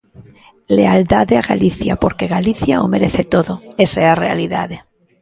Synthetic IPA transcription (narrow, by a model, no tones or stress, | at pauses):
leald̪aðeaɣa̰liθja̰poɾkeɣaliθjaomeɾeθet̪oðoesearea̰liðaðe